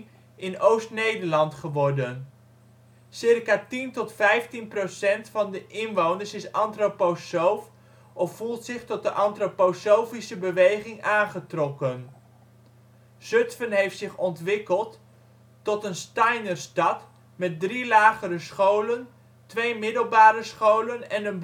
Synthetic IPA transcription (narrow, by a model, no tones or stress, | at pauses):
ɪnowstnejdəɹlɑntχəʋɔɹdən | sɪrkaːtintɔtfɛjftinprosɛntfɑndəʔɪnʋownəɹsɪsɑntroposowf | ʔɔffulˠtsɪχtɔt̚dəʔɑntroposowfisəbəʋejχɪŋaːnχətrɔkən | sɵtfənɦejftsɪχɔntʋɪkəlˠtː | ɔtənstɑjnərstɑt | mɛt̚drilaːχəɾəsχowlən | tʋejmɪdəlˠbaːɾəsχowlənɛnən